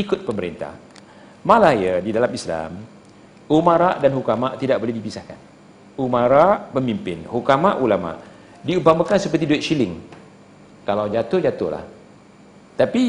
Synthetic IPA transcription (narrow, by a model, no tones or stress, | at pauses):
ikʊt̪̚pəməɾḭnt̪a̰h | mãlahjadidalamisla̰m | umãɾaʔdanɦukamaʔt̪idaʔ̚bolɛhdipisahka̰n | umãɾaʔpəmimpɪnhukamaʔulamã̰ʔ | diupamakansəpərt̪idoit̪̚ʃilɪŋ | kalawd͡ʒat̪ʊhd͡ʒat̪ʊhla̰h | t̪api